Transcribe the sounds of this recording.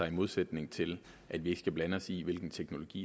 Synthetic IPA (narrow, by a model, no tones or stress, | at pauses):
ɑ̈ɪimo̝ð̞ˠsed̥ne̝ŋt͡sʰe̝l | ʔæd̥ʋie̝ɡ̥sɡ̥æb̥lænəɒ̽siʋe̝lɡ̥n̩t͡sʰeɡ̥no̝lo̝ɡ̥ḭː